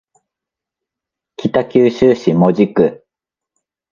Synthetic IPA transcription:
kʲit̪akʲɨːɕɨːɕimo̞d͡ʑikɯ̟

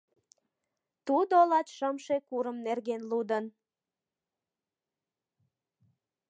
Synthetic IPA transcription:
t̪ud̪olɑt̪ʃəmʃekuɾəmnerɣenlud̪ən

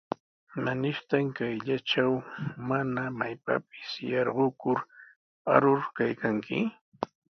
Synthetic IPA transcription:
manɪʃt̪aŋkajʎat͡ʃawmanamajpa̰p̚ɪ̥sjɑɾɢʊkʊɾ | a̰ɾʊɾkajkaŋkʰɪ̰

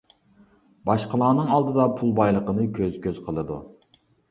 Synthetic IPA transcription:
bɑʃqəlˠɑːnɨŋɑlˠd̪ɨd̪ɑpʰulˠbɑjlˠəqənɨkʲʰøz̥kʲʰøzqʰəlˠɨd̪ṵ

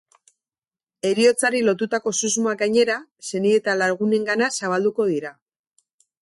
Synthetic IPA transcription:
e̞ɾio̞t͡saɾilo̞t̪ut̪ako̞suzmoaɡajɲe̞ɾase̞nie̞t̪alaɾɣune̞ŋɡanasaβ̞ald̪uko̞ðiɾa

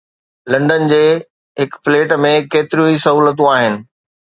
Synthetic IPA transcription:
lɐ̃ɳɖən̆d͡ʑeː | ɦɪkfleːʈmẽkeːt̪ɪɾijũisɐɦuːlət̪̬ũaːɦɪnɪ̆

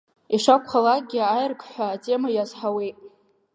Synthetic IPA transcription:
iʂakʷχalak̚ɡʲiajrkʰʼħʷaːtʼe̞majazħawejtʼ

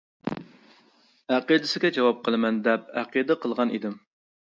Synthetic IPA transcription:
æqid̪ɪsɪɡʲɛd͡ʒɑwɑp̚qəlˠɨmɛnd̪ɛp̚æqid̪ɨqəlˠʁɑnḭd̪ɪm

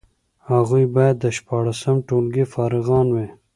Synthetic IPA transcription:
haɣujbɑjad̪ːəʃpɑɽasəmʈolɡifɑɾɪɣɑnwe

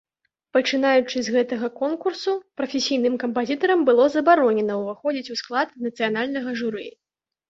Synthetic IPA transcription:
pɐt͡ʂɨn̪ajut͡ʂɨzʲɣɛt̪ɐɣɐkɔnkursupɾɐfʲesʲijnɨmkɐmpazʲit̪ɐɾɐmbɨlˠɔzɐbaɾɔnʲɛnɐwvɨxɔd͡zʲit͡sʲusklˠat̪nɐt̪sɨjanalʲnɐɣɐʐuɾɨ̰j

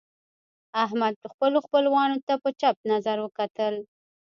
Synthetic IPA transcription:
aɦmad̪̚xpəloxpəlwɑnot̪apət͡ʃap̚nazaɾwəkat̪əl

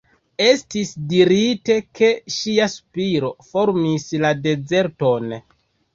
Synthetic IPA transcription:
e̞stisdiɾite̞kʰe̞ʃiaspiɾo̞fo̞ɾmislade̞ze̞ɾto̞n

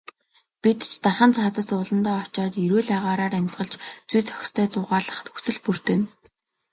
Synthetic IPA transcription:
pit̪t͡ɕt̪arχə̆nt͡sʰaːt̪ə̆sʊɮə̆nt̪ɔːt͡ɕɔːt̪iɾuːɮæːʁaːɾaːɾæmʲsʁə̆ɮt͡ɕt͡sujt͡sʰœ̥x̆ʲst̪ʰœːt͡sʊːʁaːɮə̆χt̪ʰɵxt͡sɘ̆ɮpur̥t̪ĕːn

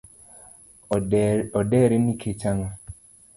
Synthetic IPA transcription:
ɔdɛɾɪnikʰet͡ʃaŋa

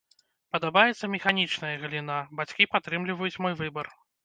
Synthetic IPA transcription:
pɐd̪abajɛt̪sːɐmʲɛxanʲit͡ʂnɐjɐɣɨlʲinabat͡sʲkʲipat̪ːɾɨmlʲivɐjut͡sʲmɔjvɨbɐr

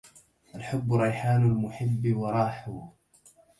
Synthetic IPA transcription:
ʔalħʊbːɾˤɑjħaːnʊlmʊħɪbːwɑɾˤɑːħʊ

